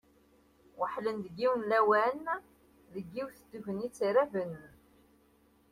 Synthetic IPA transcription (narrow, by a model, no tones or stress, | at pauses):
wəħlənd̪əɡːiwənlæwæn | ðəɡːiwθd̪ːuvənit͡sːiɾævən